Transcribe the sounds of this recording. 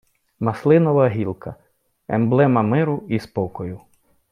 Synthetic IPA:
mɐslˠɪnɔʋɐɦʲilˠkʰɐ | ɛ̰mblˠɛmɐmɪɾʊispɔkɔjʊ

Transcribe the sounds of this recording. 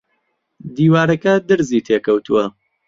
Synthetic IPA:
d̪iːwaːɾɐkɐd̪ɨɾziːt̪ʰekʰɐwt̪ʰuwɐ

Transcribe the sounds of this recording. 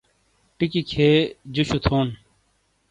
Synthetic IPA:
ʈikikʰeːd͡ʑuɕut̪ʰoːn

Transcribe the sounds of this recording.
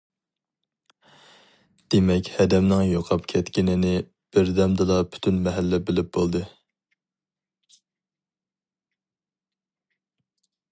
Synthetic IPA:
d̪̥emɛkʲhɛd̪ɛmnɪŋjoqʰɑpkʲʰɛt̪kʲinɪnɪ | b̥ɪɾd̪ɛmd̪ɨlˠɑpʰy̥t̪ʰynmɛɦælːɛbɪlɪp̚bolˠd̪ɨ

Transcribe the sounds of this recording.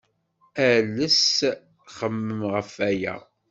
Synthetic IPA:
æləs | χəmːəmʁəfæjæ̰

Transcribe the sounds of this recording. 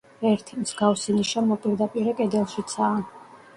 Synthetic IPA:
ɛɾt̪ʰimz̥ɡafsiniʃamɔpʼiɾd̪apʼiɾɛkʼɛd̪ɛlˠʃit̪sʰaː

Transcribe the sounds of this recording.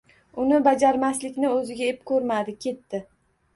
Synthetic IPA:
ʊnɪbad͡ʒaɾmaslɪkʲnɪɵzɪɡʲaepkʰʲɵɾmad̪ɪkʲʰe̞t̪ːɪ

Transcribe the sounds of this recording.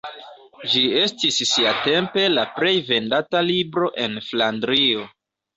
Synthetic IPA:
d͡ʒie̞stisːiate̞mpe̞lapɾe̞jve̞ndatalibɾo̞ʔe̞nflandɾio̞

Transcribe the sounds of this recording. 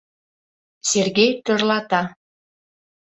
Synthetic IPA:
serɣejt̪ørlɑt̪ɑ

